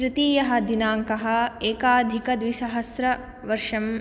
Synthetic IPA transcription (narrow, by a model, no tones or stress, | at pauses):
ʃɾɪt̪iːjɐɦɐ̆d̪inaːŋkɐɦɐ̆eːkaːd̪ʱikɐd̪ʋiʃɐɦɐsɾɐ | ʋɐɾʂɐm